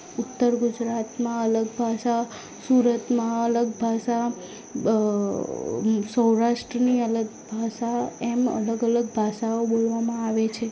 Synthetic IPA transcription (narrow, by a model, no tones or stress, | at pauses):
ʊt̪ːəɾɡud͡ʒɾat̪mãələɡbʱaʃa | suɾət̪mãələɡbʱaʃa | səwɾaʃʈɾəniələɡbʱaʃaemə̰ləɡələɡ̚bʱaʃaobolʋamãaʋet͡ʃʰe